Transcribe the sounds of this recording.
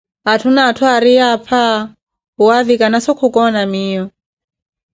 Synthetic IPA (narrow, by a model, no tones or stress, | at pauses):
atʰunaːtʰuaɾiapʰa | uaðikanasɔkʰukɔnamiːjɔ